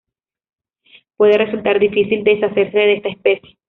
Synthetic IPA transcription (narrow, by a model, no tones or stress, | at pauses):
pwe̞ðe̞result̪aɾd̪ifisild̪esase̞ɾse̞ðest̪aespe̞sje